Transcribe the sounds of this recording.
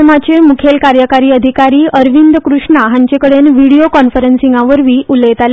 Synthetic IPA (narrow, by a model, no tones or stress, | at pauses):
mat͡ɕemukʰelkaɾjəkaɾiːəd̪ʱikaɾiːʔəɾʋind̪əkɾuʂɳaɦaɲt͡ɕekəɽenʋiɽiokɔnfəɾənsiŋɡãʋəɾʋiːʔuləjt̪ale